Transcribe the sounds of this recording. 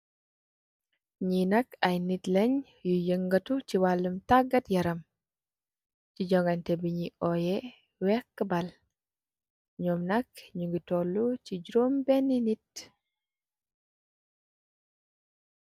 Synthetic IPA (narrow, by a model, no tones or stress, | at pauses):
ɲinɐkajnitlɛɲ | jujəŋɡɐtut͡ʃiwalːumtaɡɐtjɐɾɐm | ciɟɔŋɡantɛbiɲiɔjɛ | wɛkːəbal | ɲɔmnɐkɲuŋɡitɔlːut͡ʃiɟuɾombɛninit